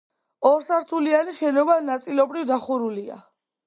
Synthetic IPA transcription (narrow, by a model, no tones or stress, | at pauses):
ɔɾsaɾt̪ʰulianiʃɛnɔvanat̪sʼilɔbɾivd̪aχuɾulia̰